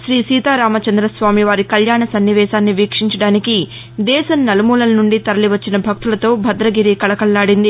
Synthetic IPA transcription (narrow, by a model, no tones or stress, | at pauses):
ʃɾiːsiːt̪aːɾaːmɐt͡ʃɐnd̪ɾɐsʋaːmiʋaːɾikɐljaːɳɐsɐnːiʋɛːʃaːnːiʋiːkʂiɲt͡ʃɐɽaːniki | d̪ɛːʃɐnnɐlɐmuːlɐlɐnuɳɖit̪ɐɾɐliʋɐt͡ʃːinɐbʱɐk̚t̪ulɐt̪o̞ːbʱɐd̪ɾɐɡiɾikɐɭɐkɐlːaːɽind̪i